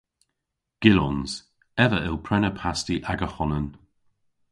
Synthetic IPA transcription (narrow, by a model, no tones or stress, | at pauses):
ɡ̥ɪlɔnz̥ | ɛvəʔɪlˠpʰɾɛnəpʰastiʔaɡəxɔnən